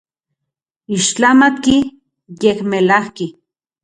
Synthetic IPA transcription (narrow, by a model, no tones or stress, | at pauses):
iʃt͡ɬamat̪ki | jehmelahki